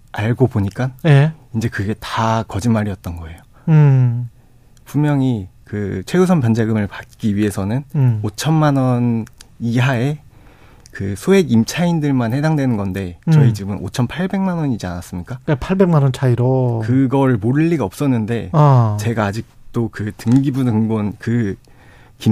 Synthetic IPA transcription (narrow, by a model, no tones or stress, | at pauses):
aɭɡopoɲik͈anjeind͡ʑe̞kɯɡe̞takʌd͡ʑinmaɾijʌt̚t͈ʌnɡʌe̞jo | pummjʌŋikɯt͡ɕʰwe̞us̬ʰʌnpjʌnd͡ʑeɡɯmɯɭpat̚k͈iɥiɦe̞sʰʌnɯnot͡ɕʰʌnmanʌniɦae | kɯsʰoe̞ɡimt͡ɕʰaindɯɭmanhe̞daŋdwe̞nɯnɡʌnde̞t͡ɕʌit͡ɕibɯnʔo̰t͡ɕʰʌnpʰaɭbe̞ŋmanʌɲid͡ʑia̰nas͈ɯmɲik͈akapʰaɭbe̞ŋmanʌnt͡ɕʰaiɾokɯɡʌɾɭmoɾɯɭːiɡaʌp̚s͈ʌnːɯnde̞at͡ɕe̞ɡaːd͡ʑik̚t͈okɯtɯŋɡibunɯŋbonkɯ | ki